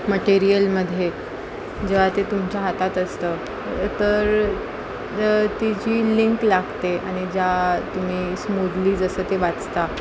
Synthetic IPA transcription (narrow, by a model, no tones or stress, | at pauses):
məʈiɾijəlməd̪ʱːje | d͡ʑeʋ̤at̪et̪umt͡ɕjaɦat̪at̪əst̪əː | t̪əɾ | t̪id͡ʑiːliŋklaɡt̪eaɽ̃id͡ʑat̪um̤iːsmud̪liːd͡zəsəːt̪eʋat͡st̪a